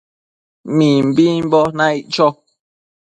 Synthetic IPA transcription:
mĩm̩bĩbɔnãiʔt͡ʃɔ

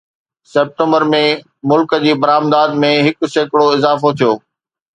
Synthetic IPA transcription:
sɛːp̚ʈə̃mbəɾmẽ | mʊlkə̆d͡ʑiːbɐɾaːmd̪aːd̪mẽɦɪkʊ̆seːkɪɽoɪzaːfot̪ʰijoː

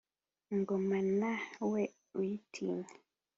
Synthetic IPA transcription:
ŋɡomanawɛ | wtʰḭl

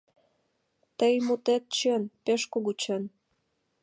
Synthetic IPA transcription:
t̪əjmut̪et̪̚t͡ɕenpeʃkoɣut͡ɕen

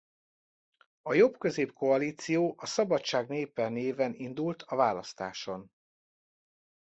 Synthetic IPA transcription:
ɒjo̞bkø̞zeːpko̞ɒliːt̪sijoːʔɒsɒbɒtt͡ʃaːɡneːpɛneːvɛnind̪ult̪ʰɒvaːlɒst̪a̰ːʃo̞n

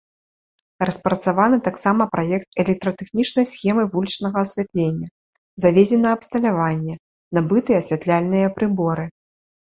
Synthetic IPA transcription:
rɐspɾɐt̪savanɨt̪aksamɐpɾajɛk̚t̪̚ɛlʲɛk̚t̪ɾɐt̪ɛxnʲit͡ʂnɐjsxʲɛmɨvulʲit͡ʂnɐɣɐːsʲvʲat̪lʲenʲːɐ | zavʲezʲɛnɐːpst̪ɐlʲavanʲːɛ | nabɨt̪ɨjɛɐsʲvʲat̪lʲalʲnɨjɐpɾɨbɔɾɨ

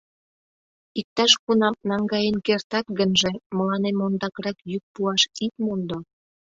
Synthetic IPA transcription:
ik̚t̪ɑʃkunɑmnɑŋɡɑjenkert̪ɑt̪ɡənʒeməlɑnemond̪ɑkɾɑkjyk̚puɑʃit̪mond̪o

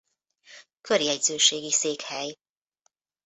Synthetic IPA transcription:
kʰøɾjɛɟzøːʃeːɡiseːkhɛj

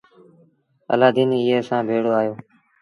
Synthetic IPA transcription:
ə̰laːd̪iːniːiːɦeːsãːbʱeːɽoːaːjoː

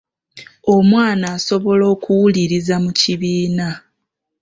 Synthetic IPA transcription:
o̞mwaːnaːso̞βo̞lo̞ːkuwuliɾizamuciβiːna

